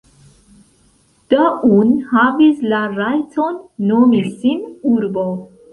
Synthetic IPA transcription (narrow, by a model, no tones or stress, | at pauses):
d̪̥aʔunhavislaɾajtʰonːomisinuɾbo